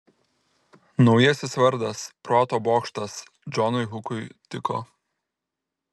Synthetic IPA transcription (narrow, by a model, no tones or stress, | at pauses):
nɒʊjɛsʲɪsʋɐɾd̪ɐspɾɔt̪oːboːkʃt̪ɐs | d͡ʒɔnʊɪɦʊkʊɪt̪ʲɪko̰